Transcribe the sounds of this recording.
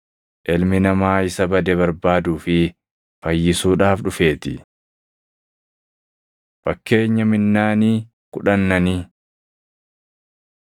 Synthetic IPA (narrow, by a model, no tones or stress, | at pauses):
ʔɛlmɪnɐmaːɪsɐbɐd̪ɛbɐɾbaːd̪uːfɪ | fɐjːɪsuːᶑaːfᶑʊfe̞ːt̪ɪ | fɐkːe̞ːɲːɐmɪnːaːniː | kʊᶑɐnːɐniː